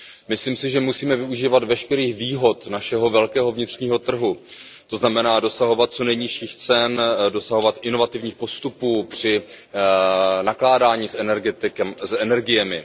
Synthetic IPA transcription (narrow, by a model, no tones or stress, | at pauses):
mɪsliːmsɪʒɛmusiːmɛvɪuʒiːvad̪vɛʃkɛɾiːxviːɦo̞t̪naʃɛɦo̞vɛlkɛːɦo̞vɲɪt̪r̝̥ɲiːɦo̞t̪r̩ɦut̪o̞znamɛnaːdo̞saɦo̞vat̪̚t͡so̞nɛjɲɪʃiːxt͡sɛndo̞saɦo̞vat̪ʔɪno̞vat̪ɪvɲiːxpo̞st̪upuːpr̝̥ɪ | naklaːdaːɲiːsʔɛnɛɾɡɛt̪ɪksɛnɛɾɡɪjɛmɪ